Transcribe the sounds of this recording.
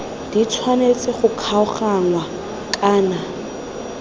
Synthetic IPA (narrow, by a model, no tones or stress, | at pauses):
d̥it͡sʰwanet͡sʼɛχʊkʰaʊχaŋwa | kʼaːna